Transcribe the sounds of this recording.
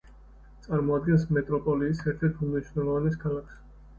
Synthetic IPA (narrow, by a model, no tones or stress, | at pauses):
t̪sʼaɾmɔad̪̚ɡɛnsmɛt̪ʼɾɔpʼɔliːsɛɾt̪ʰɛɾt̪ʰumniʃvnɛlˠɔvanɛskʰalˠakʰs